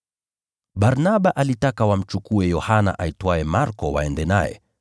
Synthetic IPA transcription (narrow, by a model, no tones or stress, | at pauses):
ɓaɾnaɓaʔalitakawam̩t͡ʃukuɛjɔhana̰ʔaitwaɛmaɾkɔwa̰ɛndɛna̰jɛ̰